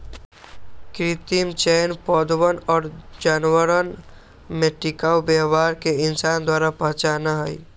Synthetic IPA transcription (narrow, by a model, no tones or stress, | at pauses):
kɾɪt̪imt͡ʃɛːnpɔːd̪wənɔːɾd͡ʒaːnwəɾən | mẽʈɪkaːwbeɦwaːɾkeɪnsaːnd̪waːɾapə̃ɦt͡ʃaːnaɦəḭ